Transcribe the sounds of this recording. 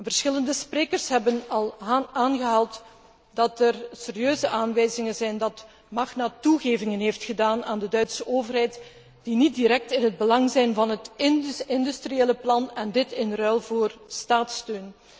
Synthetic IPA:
vərsxɪləndəspreːkərsɦɛbənɑlˠaːnɣəɦɑlˠt | dɑtərseːɾiøːzəʔaːnʋɛjzɪŋənzɛjndɑt | mɑxnaːtuɣeːvɪŋənɦeːftxədaːnaːndədœɥtsəʔoːvərɦɛjt | d̥init̚diɾɛk̚tɪnɦəd̚bəlɑŋzɛjnvɑnɦətɪnɪndystrijeːləplɑnɛndɪtɪnrœlˠvoːrstaːtstøːn

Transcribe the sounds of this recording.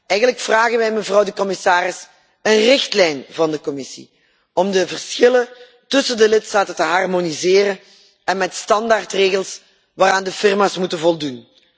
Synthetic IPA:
ʔɛjɣənləkfraːɣənʋɛjməvrɑwdəkɔmɪsaːrɪs | ənrɪxtlɛjnvɑndəkɔmɪsḭ | ɔmdəvərsxɪlən | tɵsəndəlɪtstaːtəntəɦɑrmonizɪːrən | ɛnmɛtstɑndartreːɣəlˠs | ʋaːɾaːndəfɪrmaːsmutənvɔlˠdun

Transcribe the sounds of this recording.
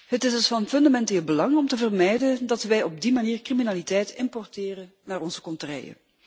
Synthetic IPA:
ɦətɪsdəsfɑnfɵndamɛnteːlˠbəlɑŋɔmtəvərmɛjdəndɑtʋɛjɔb̚dimaniːrkriminaːlitɛjtʰɪmpɔrtɪːrənnaːrɔnzəkɔntərɛ̰jə̰

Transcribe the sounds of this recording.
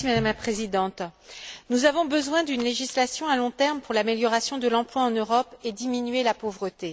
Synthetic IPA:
imad̪amlapχezid̪ɑ̃t̪nuzavɔ̃bəzwɛ̃d̪ynleʒislasjɔ̃alɔ̃t̪ɛʁmpuʁlameljɔʁasjɔ̃d̪əlɑ̃plwaɑ̃nøʁɔped̪iminɥelapovʁət̪e

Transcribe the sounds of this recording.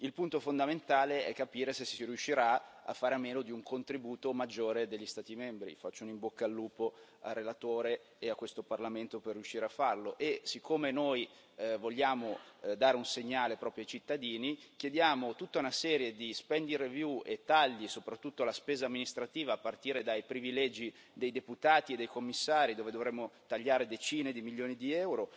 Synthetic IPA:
ilpunt̪ofond̪ament̪aːleɛ̰kːapiːɾesesi̥siɾjuʃːiɾaa̰fːaːɾameːnod̪iuŋkʰont̪ɾibuːt̪omad͡ʒːoːɾed̪eʎːist̪aːt̪imɛmbɾḭfat͡ʃːounimbokːaːlːuːpo | a̰rːelat̪oːɾeː | akːwest̪oparlament̪operːjuʃːiːɾeafːarloʔesikʰːomenoj | voʎːaːmod̪aːɾeunseɲːaːlepɾɔːpɾjajt͡ʃit̪ːad̪iːnikjed̪jaːmot̪ut̪ːaunasɛːɾjed̪ispɛnd̪iɾevjuet̪ːaʎːisopɾat̪ːut̪ːoalaspeːzaːmːinist̪ɾat̪iːvaːpːart̪iːɾed̪ajpɾivilɛːd͡ʒi | d̪ejd̪eput̪aːt̪ied̪ːejkomːisːaːɾid̪oːved̪ovɾemːot̪aʎːaːɾed̪et͡ʃiːned̪imiʎjoːnid̪iɛwɾo

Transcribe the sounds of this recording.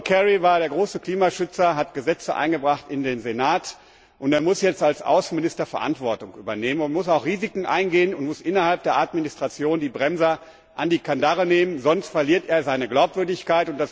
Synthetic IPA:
kʰɛʁivaːɐɾeːɐɡʁoːsəkl̥iːmaʃʏt͡sɐɦatɡ̥əzɛt͡səʔa̰ɪnɡəbʁaχtɪndeːnzenaːt | ʔʊnteːɐmʊsjɛt͡stalsʔa̰ʊsn̩mɪnɪstɐfɛɐʔa̰ntv̥ɔɐtʊŋkʔyːbɐneːmənʊntmʊsaʊxʁiːzɪkŋ̩ʔa̰ɪnɡeːənʊntmʊsʔɪnɐhalp̚d̥eːɐʔatminɪstʁ̥at͡sjoːndiːbʁɛmzɐ | ʔandiːkʰandaʁəneːmənzɔnstfɛɐliːɐteːɐzaɪnəɡlaʊpv̥ʏɐdɪçkaɪtʊntd̥as

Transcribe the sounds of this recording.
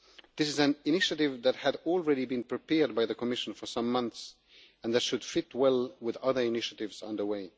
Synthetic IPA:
ðɪsɨzæ̃nɪnɪʃɨɾɪvðæt̚hɨdɔlˠɹɛɾibɨ̃npɹ̥ipɛɹd̚baɪðəkʰɔmɪʃə̃n̩fə˞sʌ̃mːʌ̃nθs | æ̃nðɨtʃɨd̥fɪt̚wɛlˠwɪðʌðə˞ɨnɪʃɨtɪvzʌ̰̃ndə˞weɪ

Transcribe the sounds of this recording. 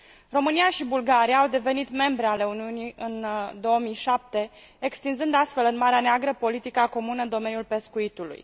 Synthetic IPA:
ro̞mɨnijaʃibulɡaɾiaːwd̪e̞ve̞nit̪me̞mbɾe̞ale̞uniuniɨnd̪o̞omijʃap̚t̪e̞ | ekst̪inzɨnd̪ast̪fe̞lɨnmaɾeaneaɡɾəpo̞lit̪ikako̞munəɨnd̪o̞me̞njulpe̞skuit̪ulṵj

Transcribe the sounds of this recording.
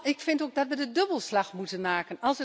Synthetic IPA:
ɪkfɪntoːɡ̚dɑtʋədədøbəlˠslɑxmutənmaːkənɑlˠsə

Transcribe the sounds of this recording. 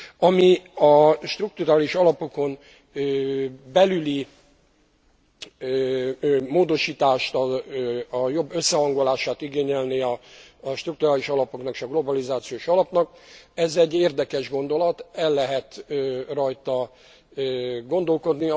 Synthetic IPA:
ɒmiɒʃt̪ruk̚t̪uɾaːliʃɒlɒpo̞ko̞n | øbɛlyli | moːd̪o̞ʃiːt̪aːʃt̪ɒ | jo̞bːø̞sːɛɦɒŋɡo̞laːʃaːt̪iɡeːɲɛlniɒːʃt̪rukt̪uɾaːliʃɒlɒpo̞knɒkʃɒɡlo̞bɒlizaːt̪sioːʃɒlɒpnɒk̚ɛzɛɟːeːrd̪ɛkɛʒɡo̞n̪d̪o̞lɒt̪ɛlːɛɦɛt̪ːrɒjt̪ɒ | ɡo̞n̪d̪o̞lko̞d̪ni

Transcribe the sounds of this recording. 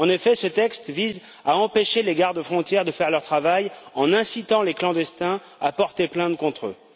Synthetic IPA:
ɑ̃nefɛsət̪ɛkst̪viz | aɑ̃peʃeleɡaʁd̪əfχɔ̃t̪jɛʁd̪əfɛʁlœʁt̪χavajɑ̃nɛ̃sit̪ɑ̃leklɑ̃d̪ɛst̪ɛ̃ | apɔʁt̪eplɛ̃t̪̚kɔ̃t̪χø̰

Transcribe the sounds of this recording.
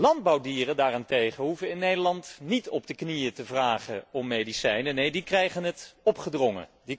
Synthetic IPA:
lɑnd̚bɑwdiːrəndaːrɪntejχənɦuvəɪnːejdəlɑntnitɔb̚dəknijətəvraːχə̰ɔmːejdisɛjnənejdikrɛjχənətɔpχədrɔŋə̰di

